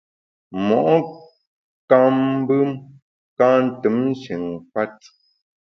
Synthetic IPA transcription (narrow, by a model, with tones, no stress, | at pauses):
mɔ˨ʔɔ˦ | ka˦m˦bɨ˦m | ka˦n̩˨tɨ˨˦mn˦ʃi˨ŋpa˦t̚